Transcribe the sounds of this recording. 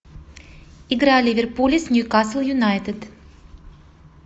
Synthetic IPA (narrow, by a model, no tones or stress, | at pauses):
ɪɡɾalʲivʲɪrpulʲɪsnʲjukasəl̩ˠjʊnajt̪ɪd̪